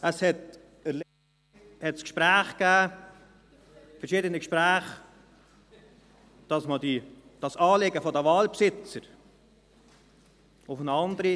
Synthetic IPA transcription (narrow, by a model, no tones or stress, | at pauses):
əshɛt | əl | hɛtskʃpɾæːχkæː | fɛrʃiːdənəkʃpɾæːχ | d̥ɑsmədid̥ɑsɑːleɡəfɔdəvɑːlpsɪt͡səɾ | ʊfnɑnd̪əɾi